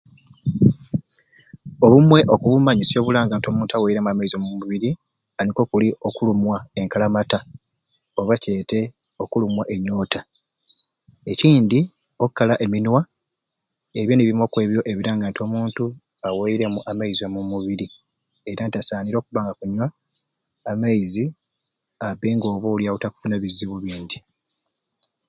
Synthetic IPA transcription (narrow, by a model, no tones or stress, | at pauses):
o̞βumwe̞ʔo̞kuβumaɲisjo̞ːβulaːŋɡaːnto̞muːntuaweiɾemuamaizo̞mumuβiɾi | aniko̞kulio̞kulumwae̞ŋkalamata | o̞βace̞ːte̞ | o̞kulumwaʔe̞ɲːo̞ːta | e̞ciːndi | okːalaʔe̞minwa | e̞βjo̞niβiimo̞kwe̞ːβjo̞ʔe̞βiɾaːŋɡanto̞muːntu | aweiɾe̞muʔamaiziomumuβiɾi | e̞ɾanitasaːniɾo̞ːkuβaːŋɡakuɲwaː | majizi | aβeːŋɡo̞ːβoljautaku̥funaβiziβuβiːnd̪i